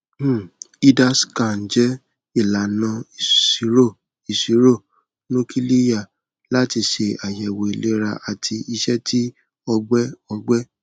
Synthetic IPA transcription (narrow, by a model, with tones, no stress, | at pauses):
m̩˦˨ | i˦da˦˨ska˨n̩˨˦d͡ʒɛ˦ | i˦˨la˨nã˧i˨si˨˦ɾo˦˨ | i˨si˨˦ɾo˦˨ | nũ˦ki˦li˦ja˦˨ | la˦ti˧ʃe˧a˨jɛ˨wo˨i˨le˦ɾa̰˧ʔa˨tʰi˧i˧ʃɛ˦tʰi˦ | ɔ˧ɡ͡bɛ˦ɔ˧ɡ͡bɛ˦